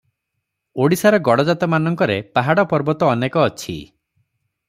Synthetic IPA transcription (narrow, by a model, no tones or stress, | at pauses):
oɽisaɾɔɡɔɽɔd͡ʒat̪ɔmanɔŋkɔɾepaɦaɽɔpɔɾbɔt̪ɔːnekɔːt͡ʃʰḭ